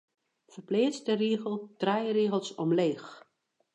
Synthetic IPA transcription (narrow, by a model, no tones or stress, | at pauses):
fərpleːt͡stəriəɣəlˠtrɛjriəɣəlˠsɔmleːx